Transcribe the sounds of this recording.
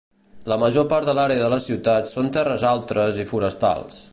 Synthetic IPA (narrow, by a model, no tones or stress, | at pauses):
ləməʒopaɾðəlaɾeəðələsiwt̪at̪sont̪ɛrəzalˠt̪ɾəzifuɾəst̪a̰lˠs